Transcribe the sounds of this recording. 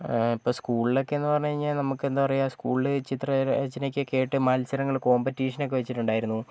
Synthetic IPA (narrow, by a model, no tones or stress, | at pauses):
ipːo̞ːskuːɭilo̞kːeenːɨpɐrɐɲːɐiɲːalnɐmukːɨend̪aːpɐrɐjuaːskuːɭilɨt͡ɕit̪rɐd͡ʑɐnekʲːɨke̞ːʈːɨmɐːlsɐɾɐŋːɐɭko̞ːmbɐtːiːʂɐnokːeʋet͡ɕːiʈːuɳɖaːjiɾunːu